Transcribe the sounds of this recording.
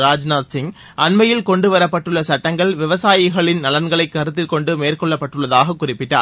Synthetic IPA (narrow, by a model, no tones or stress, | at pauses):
ɾaːd͡ʒnaːt̪sɪŋ | ʔɐnmɐjɪlkɔɳɖɯʋɐɾɐpːɐʈːɯɭːɐsɐʈːɐŋɡɐɭʋɪʋɐsaːjɪɣɐɭɪnnɐlɐnɡɐɭɐɪkːɐɾɯt̪ːɪlkɔɳɖɯmeːrkɔɭːɐpːɐʈːɯɭːɐðaːɣɐkːʊrɪpːɪʈːa̰ːɾ